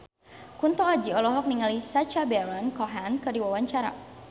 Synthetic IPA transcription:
kunt̪ɔad͡ʒiɔlɔɦɔk̚niŋalisat͡ʃabɛɾɔnkɔɦankɨrdiwawaɲt͡ʃaɾa̰

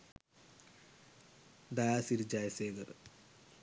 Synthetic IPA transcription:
d̪ɐjaːsiɾd͡ʑajɐseːɡɐr

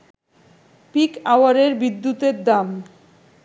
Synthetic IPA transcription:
pikawaɾeɾbid̪ːut̪eɾd̪am

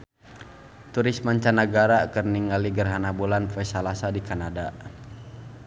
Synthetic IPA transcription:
t̪uɾismaɲt͡ʃanaɡaɾakərniŋaliɡərɦanabulanfɛsalasadikanada

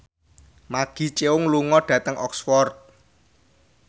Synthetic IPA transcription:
maɡ̥i̤t͡ʃʼeʊŋluŋɔɖ̥ä̤t̪əŋʔɔ̰ksfɔrt̪̚

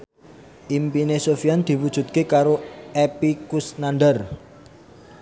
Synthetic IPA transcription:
ʔimpinesofiand̪̥i̤wud̥ʒ̥ṳt̪̚kekaɾoʔepikusnanɖər

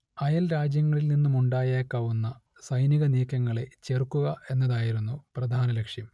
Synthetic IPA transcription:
ɐjɐlɾaːd͡ʑjɐŋːɐɭilninːumuɳɖaːjeːkːaːʋunːɐ | sɐjniɣɐniːkːɐŋːɐɭe̞t͡ɕerkːuɣɐe̞nːɐðaːjiɾunːuprɐd̪ʱaːnɐlɐkʂjɐm

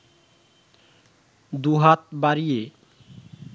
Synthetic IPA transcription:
d̪uɦat̪̚baɾije

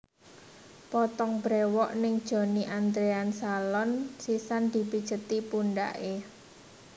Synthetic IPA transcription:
pɔt̪ɔŋbɾewɔʔnɪŋd̥ʒ̥o̤niʔand̪ɾeansalɔnsisand̪̥i̤pid̥ʒ̥ə̤t̪ipunɖa̰ʔe

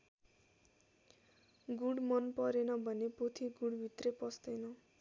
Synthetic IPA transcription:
ɡuɽmʌnpʌɾenʌbʱʌnepot̪ʰiɡuɽbʱit̪repʌst̪ʌjnʌ

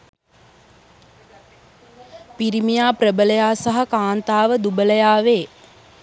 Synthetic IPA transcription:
piɾimijaːprɾəbələjaːsaɦakaːnt̪aːʋəd̪ubələjaːʋeː

